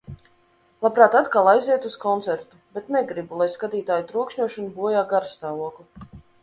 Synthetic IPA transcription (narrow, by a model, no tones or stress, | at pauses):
lˠapɾaːt̪at̪kalˠajziɛt̪uskɔnt̪sɛɾt̪ubɛt̪nɛɡɾibulˠajskad̪ʲiːt̪aːjut̪ɾuɔkʃɲuɔʃɔnubuɔjaːɡaɾst̪aːvuɔkˠu